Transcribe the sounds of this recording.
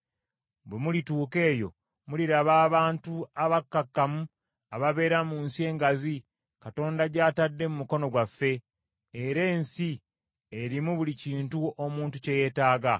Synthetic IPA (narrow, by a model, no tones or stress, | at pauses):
bwemulituːke̞ːjo̞̰ | muliɾaβaːβaːntuaβakːakːamu | aβaβe̞ːɾamuːnsie̞ːŋɡazi | kato̞ːndaɟaːtadːe̞mumuko̞no̞ɡwafːe̞ː | ɾe̞ːnsi | eɾimuβuliciːntuomuːntuce̞je̞ːtaːɡa